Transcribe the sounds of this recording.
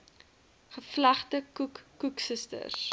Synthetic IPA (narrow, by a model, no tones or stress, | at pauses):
χəflɐχtəkukːuksəstə̰rs